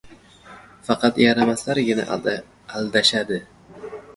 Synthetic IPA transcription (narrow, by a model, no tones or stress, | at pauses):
fɑqʰɑt̪jaɾamaslaɾɡʲɪna̰ʔ | ald̪aʃad̪ɪ